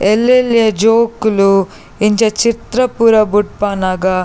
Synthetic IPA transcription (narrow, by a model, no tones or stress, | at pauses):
elːeljɐd͡ʒoːkulu | iɲt͡ʃɐt͡ʃit̪ɾɐpuːɾɐbuʈ̚paːnaːɡɐ